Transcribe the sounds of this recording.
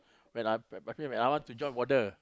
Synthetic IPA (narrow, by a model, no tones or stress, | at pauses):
wɛ̃najpɛfĩwɛ̃najwɔ̃ntud͡ʒɔ̃nwɔtə